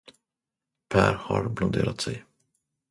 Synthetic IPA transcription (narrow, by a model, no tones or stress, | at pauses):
pʰæːɾhaɾblɔd̪eːɾat̪sɛj